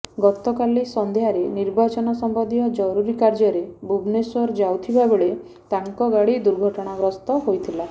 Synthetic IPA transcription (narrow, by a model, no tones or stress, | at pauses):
ɡɔt̪ɔkalisɔnd̪eɦaɾeniɾbat͡ʃɔnɔsɔmbɔd̪ijɔd͡ʒɔɾuɾikaɾd͡ʒɔɾebubnesɔɾd͡ʒawt̪ʰibabeɭe | t̪aŋkɔɡaɽid̪uɾɡʱɔʈɔɽ̃abɾɔst̪ɔɦojt̪ʰila